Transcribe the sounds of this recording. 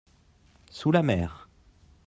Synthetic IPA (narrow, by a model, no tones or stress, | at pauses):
sulamɛːʁ